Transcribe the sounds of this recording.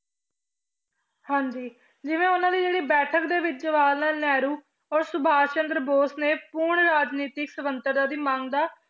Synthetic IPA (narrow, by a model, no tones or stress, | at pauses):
hãːɲd͡ʒiː | d͡ʒɪʋẽːʊnãːd̪iːd͡ʒeːɽiːbɛːʈʰəkd̪eːʋɪt͡ʃd͡ʒəʋaːlnaːlnɛːɾuː | ɔːɾsʊbʱaːt͡ʃənd̪ɾəboːsneːpuːɾɳɾaːd͡ʒniːt̪ɪksəʋənt̪əɾd̪aːd̪iːmãːŋɡd̪aː